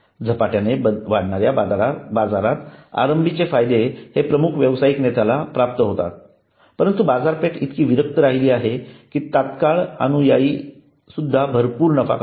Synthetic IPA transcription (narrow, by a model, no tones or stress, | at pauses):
d͡zʱəpaʈjaneʋaɽɳaɾjabad͡zaɾat̪a̰ɾəmbʱit͡ɕefajd̪ehepɾəmukʰʋjəʋsajiknet̪alapɾap̚t̪əɦot̪a̰t̪̚ | pəɾənt̪ubad͡zaɾpeʈit̪kiːʋiɾək̚t̪əɾaɦiliːaɦekiːt̪at̪kaɭa̰ñũjaiː | sud̪ʱːabʱəɾpuːɾnəfa̰k